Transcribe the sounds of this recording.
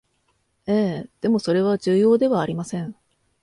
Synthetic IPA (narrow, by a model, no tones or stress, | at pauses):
eːd̪̥e̞mo̞so̞ɾe̞β̞aʑɨːjo̞ːd̪e̞βaːɾʲimasẽ̞ɴ